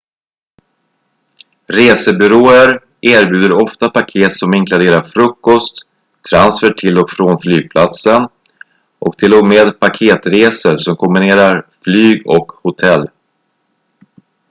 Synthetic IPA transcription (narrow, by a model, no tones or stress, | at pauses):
ɾeːsəbʏɾoːəɾ | ʔeːɾbjʉ̟ːd̪əɾɔft̪apakʰeːt̪sɔmɪŋkʰlad̪eːɾaɾfɾɵkːɔst̪ʰː | ɾansfəʈʰɪlɔkfɾonflyːɡ̚pʰlat̪sən | ʔɔkd̪̥ɛloːɡmeːd̪pʰakʰeːt̪ɾeːsəɾsɔmkʰɔmbɪneːɾaɾflyːɡɔkhʊt̪ʰɛlː